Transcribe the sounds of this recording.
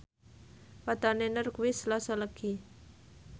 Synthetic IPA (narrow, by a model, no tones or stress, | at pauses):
pad̪anenərkuwɪslasɔləɡ̥i